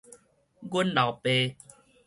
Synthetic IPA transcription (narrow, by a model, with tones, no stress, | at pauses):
ɡu˦nla˨˩pe˧